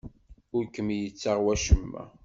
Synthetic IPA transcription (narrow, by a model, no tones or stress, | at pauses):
ʊɾkəmjət͡sːaʁwæʃəmːæ̰